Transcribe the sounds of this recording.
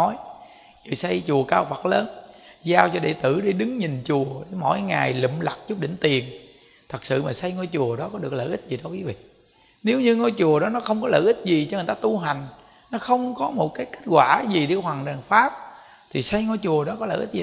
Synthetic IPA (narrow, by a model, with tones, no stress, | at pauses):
ɔ˨˦j | ɨ˨˩sa˧jt͡ɕu˨˩əkaː˧wfa˨˩t̚ləː˨˦nzaː˧wt͡ɕɔ˧ɗḛ˧˨t̪ɨ˧˩ɗe˧˦ɗɨ˨˦ŋɲi˨˩nt͡ɕu˨˩əɗe˧˩mo̰˧˥˨jŋaː˨˩jlḭ˧˨mla˨˩k̚t͡ɕu˦˥p̚ɗï˧˨ŋ̟t̪i˨˩ənŋ | t̪ʰə˨˩k̚sɨ̰˧˨maː˨˩sa˧jŋɔ˧jt͡ɕu˨˩əɗɔ˨˦kɔ˨˦ɗɨ˨˩ək̚ləː˧˩jʔi˦˥t̚zi˨˩ɗɔ˨˦kwi˨˦vḭ˧˨ | ne˨˦wɲɨ˧ŋɔ˧jt͡ɕu˨˩əɗɔ˨˦nɔ˨˦xə˧wŋ͡mkɔ˨˦ləː˧˨ʔï˦˥t̚zi˨˩t͡ɕɔ˧ŋ˨˩t̪aː˧t̪u˧ɦa˨˩jŋ̟ | nɔ˨˦xə˧wŋ͡mkɔ˨˦mo˨˩t̚kaː˨˦jke˦˥t̚ɣwaː˧˩zi˨˩ɗe˧˦hwaː˨˩ŋɗa˨˩ŋfaː˦˥p̚ | t̪ʰi˨˩sa˧jŋɔ˧jt͡ɕu˨˩əɗɔ˨˦kɔ˨˦lə̰ː˧˩ʔi˦˥t̚zi˨